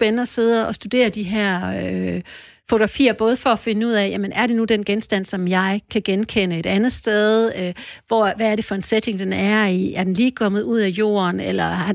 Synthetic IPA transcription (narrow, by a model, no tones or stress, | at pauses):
b̥enənəɒse̝ð̞̰ˠɐɒ̽sd̥ud̥e̝̰ːɐd̥iɦæɐ̰ | fo̝t͡soʁɑ̈fḭːɐb̥ɔ̽ːð̞̩ˠfɒ̽ːfe̝nəuð̞̰ˠɛjæmənæɐɾe̝nud̥enɡ̥ensd̥æn̰sɒ̽mjɑ̈ɪkʰæɡ̥enkʰenəe̝d̥ænð̞̩ˠsd̥eð̞ˠøʋɒʋæːɐɾe̝fɒ̽e̝nsed̥e̝ŋd̥enæɐiæɐd̥enliːkʰɒ̽mð̞̩ˠuð̰ˠæjo̝̰ːɐnelɐ